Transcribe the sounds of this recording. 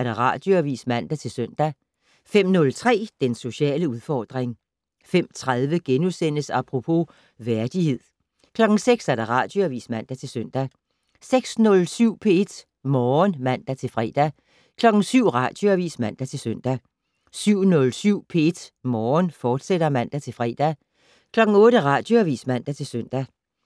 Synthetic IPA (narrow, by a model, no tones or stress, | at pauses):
æɐɾ̥æʁɑ̈d̥joæʋḭːsmæn̰d̥æt͡sʰe̝lsøn̰d̥æ | fem̰nɔ̽lt͡sʰʁɛ̰ːd̥enso̝ɕɛ̰ːləuð̞ˠfɒːd̥ʁeŋ | fem̰t͡sʰʁaðˠʋəɡ̥enusen̰əsɑpʰʁo̝pʰo̝ | ʋæɐd̥ihe̝ð̰ˠ | kʰlɒ̽ɡ̥ŋ̩seɡ̥sæɐd̥æ̈ʁɑ̰̈ːd̥jo̝æʋḭːsmæn̰d̥æt͡sʰe̝lsøn̰d̥æ | seɡ̥snɔ̽lsyʊ̰pʰee̝d̥ | mɒːnmæn̰d̥æt͡sʰe̝lfʁɛ̰ːd̥æ | kʰlɒ̽ɡ̥ŋ̩syʊ̰ʁɑ̈d̥joæʋḭːsmæn̰d̥æt͡sʰe̝lsøn̰d̥æ | syʊ̰nɔ̽lsyʊ̰pʰe̝e̝d̥mɒːnfɒːd̥sed̥ɐmæn̰d̥æt͡sʰe̝lfʁɛ̰ːd̥æ | kʰlɒ̽ɡ̥ŋ̩ɔ̽ːɾ̥əʁɑ̈d̥jo̝æʋḭːsmæn̰d̥æt͡sʰe̝lsøn̰d̥æ